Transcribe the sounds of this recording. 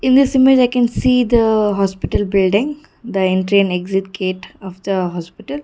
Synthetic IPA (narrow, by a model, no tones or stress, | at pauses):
ɪ̃nd̪ɪsɪmed͡ʒaɪkɛ̃nsiːd̪əɦɔːspɪʈəlbɪlɖɪ̃ŋ | d̪əẽɳʈɾĩneɡzɪʈkʰeːʈɔfd̪əɦɔːspɪʈəl